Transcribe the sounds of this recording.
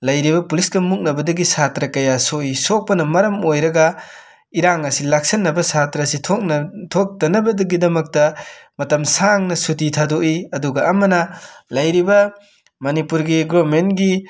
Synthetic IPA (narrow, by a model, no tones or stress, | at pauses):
lɐjɾibɐpulisɡɐmuk̚nɐbɐdɐɡisatɾɐkɐjasoisok̚pɐnɐmɐɾɐmojɾɐɡɐ | iɾaŋɐsilak̚sɐnːɐbɐsatɾɐsitʰokntʰok̚tɐnɐbɐdɐɡidɐmɐk̚tɐmɐtɐmsaŋnɐsutitʰadoʔiɐduɡɐːmɐnɐlɐjɾibɐ | mɐnipuɾɡiɡɾomenɡi